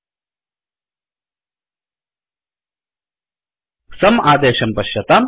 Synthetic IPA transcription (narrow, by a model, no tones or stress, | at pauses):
sɐmaːd̪eːʃɐmpɐɕjɐt̪am